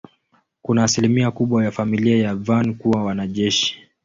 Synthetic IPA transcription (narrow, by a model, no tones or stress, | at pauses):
kunaːsilimiakuɓwajafamiliajavankuwawanaʄɛʃi̥